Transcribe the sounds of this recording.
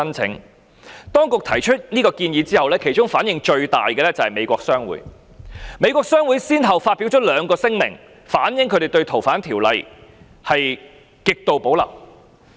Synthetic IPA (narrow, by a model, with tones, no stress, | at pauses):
ɐ˥nt͡sʰɪ̰˨˥ŋ | t̪ɔː˥ŋkʊ˨k̚t̪ʰɐ˨˩jt͡ʃʰɵ˥t̚niː˥kɔː˧kiː˧njiː˨˧t͡siː˥hɐ˨wlɛː˥kʰe˨˩jt͡ʃʊ˥ŋfaː˨˥njɪ˨ŋt͡ʃɵ˧ɥt̪a̰ː˨jkɛ˧lɛ˥t͡sɐ˨whɐ˨˩jme˨˧jkʷɔː˧k̚sœː˥ŋwṵː˨˥j | me˨˧jkʷwɔː˧k̚sœː˥ŋwuː˨˥jsiː˥nɦɐ˨wfaː˧t̚piː˨˥wt͡ʃ̚ʰːlœː˨˧ŋkɔː˧sɪ˥ŋmɪ̰˨˩ŋ | faː˨˥njɪ˨˥ŋkʰɵ˨˧˥ɾe˨˩jt̪ɵ˧ɥt̪ʰo˨˩wfaː˨˥nt̪ʰiː˨˩wlɐ˨j | hɐ˨j | kɪ˨k̚t̪o˨wpo˨˥wlɐ̰˨˩w